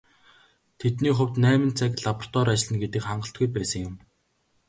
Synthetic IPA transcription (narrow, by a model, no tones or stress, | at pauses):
t̪ʰet̪niːχʊwʲt̪næːmɘ̆t͡sʰækɮapɔr̥t̪ɔɾat͡ɕɪ̆ɮɘ̆nɡet̪ɘ̆kχaɴɢə̆ɬt̪̚ɡujpæːsə̆ŋjʊm